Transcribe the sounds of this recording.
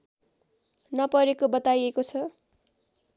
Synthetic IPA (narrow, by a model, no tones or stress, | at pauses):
nʌpʌɾekobʌt̪ajekot͡sʰʌ